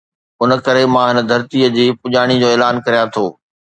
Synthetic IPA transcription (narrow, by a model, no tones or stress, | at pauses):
ʊnəkɐɾemãːɦɪnəd̪ʱɐɾt̪iəd͡ʑiːpʊʄaːɽ̃id͡ʑoːeːlaːnkɐɾijãt̪ʰoː